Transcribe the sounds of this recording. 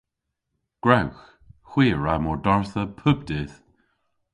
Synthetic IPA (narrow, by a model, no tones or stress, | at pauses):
ɡ̥ɹawx | xw̥iːɹamɔɹdɔɹθəpʰʊb̚d̪ɪð̥